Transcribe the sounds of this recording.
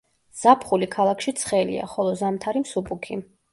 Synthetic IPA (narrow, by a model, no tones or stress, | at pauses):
z̥apʰχulikʰalˠakʰʃit̪sʰχɛlḭa̰χɔlˠɔzamt̪ʰaɾimsupʼukʰi